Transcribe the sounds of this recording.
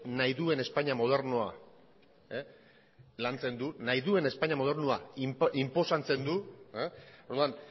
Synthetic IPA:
najðue̞ne̞spaɲamo̞ð̞e̞ɾnoa̰ | e | lant͡se̞nd̪unajðue̞ne̞spaɲamo̞ð̞e̞rnuaʔimpo̞sant͡se̞nd̪ueoɾðuan

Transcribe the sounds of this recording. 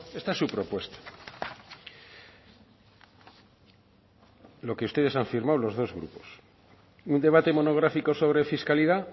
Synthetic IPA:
e̞st̪aesːupɾo̞pwe̞st̪ḁ | lo̞ke̞ust̪e̞ðesaɱfiɾmawlo̞zð̞o̞zɣɾṵpo̞̥s | und̪e̞β̞at̪e̞mo̞no̞ɣ̞ɾafiko̞so̞β̞ɾe̞fiskaliða

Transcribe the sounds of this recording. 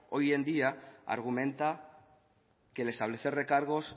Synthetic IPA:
ojend̪iaa̰ɾɣ̞umẽnt̪a | kelest̪aβ̞leθerekaɾɣ̞os

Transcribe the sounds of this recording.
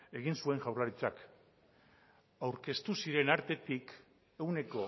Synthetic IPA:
e̞ɣinsue̞ŋʝawrlaɾit͡sak | awɾke̞st̪usiɾe̞naɾt̪e̞t̪ik | e̞wne̞ko̞

